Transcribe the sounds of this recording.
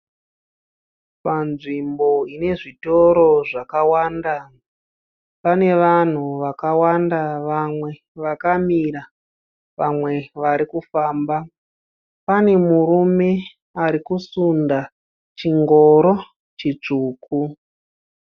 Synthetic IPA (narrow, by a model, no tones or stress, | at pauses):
panʐimbo̞ine̞ʐito̞ɾo̞ʐakawaːnda | pane̞ʋan̤uʋakawandaʋamwe̞ | ʋakamiɾa | ʋamwe̞ʋaɾikufaːmba | pane̞muɾume̞ | aɾikusunda | t͡ʃiŋɡo̞ɾo | t͡ʃit͡ʂuːku